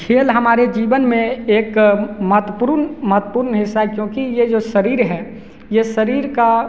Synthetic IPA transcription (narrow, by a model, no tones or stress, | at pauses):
kʰeːlɦɐmaːɾed͡ʒiːʋənmẽeːkməɦt̪əpʊɾnmət̪puːɾnɦɪsːaɦɛkjõːkijed͡ʒoːsəɾiːɾɦɛː | jesəɾiːɾka